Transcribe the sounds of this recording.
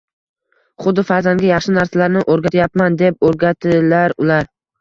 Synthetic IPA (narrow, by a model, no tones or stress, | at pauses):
χʊd̪ɪfaɾzaŋɡʲajɑχʃɪnaɾsalaɾnɪʔoɾɡʲat̪ʰjapmand̪ep̚oɾɡʲat̪ʰɪlaɾʊlaɾ